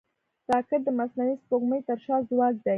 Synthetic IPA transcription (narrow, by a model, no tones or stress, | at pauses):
tɑkɪɾ̚d̪əmasnawispoɡməjt̪əɾʃɑzwɑz̚d̪a